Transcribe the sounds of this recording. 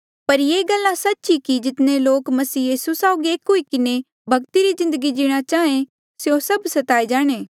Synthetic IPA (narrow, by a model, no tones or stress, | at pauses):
pɐɾjeːɡɐlːãsɐtːʃikid͡ʒɪt̪neloːkmɐsiːjiːsusaːoɡieːkɦoikɪne | bʱɐɡt̪iɾizɪ̃nd̪əɡid͡ʒɪːɽ̃at͡ʃaːẽ | sjosɐbsɐt̪aːid͡ʒaːɽ̃eː